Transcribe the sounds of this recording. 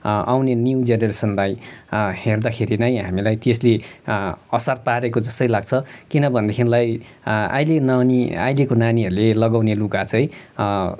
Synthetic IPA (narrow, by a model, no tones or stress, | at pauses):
a̰wnenjud͡zenʌresʌnlajherd̪akʰeɾinʌj̃ɦamilajt̪esle | ʌsarpaɾekod͡zʌst̪ʌilaɡ̚t͡sʰʌkinʌbʱʌnd̪ekʰinilaj | a̰jlenania̰jlekonaniɦʌɾulelʌɡawnelukat͡sʌj̃